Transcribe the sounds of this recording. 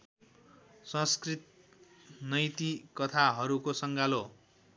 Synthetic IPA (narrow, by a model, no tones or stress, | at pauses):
sʌ̃skrit̪̚ | nʌjt̪ikʌt̪ʰaɦʌɾukosʌŋɡalo